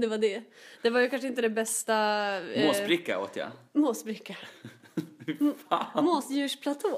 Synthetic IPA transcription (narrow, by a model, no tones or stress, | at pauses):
d̪ɛvaɖɛd̪̥ɛvaɾjɵkʰanʂəɪnt̪əd̪ɛbɛst̪amosbɾɪkːa̰o̰ːt̪ja̰moːsbɾɪkːa | amoːsjʉ̟ːʂpʰlat̪ʰoː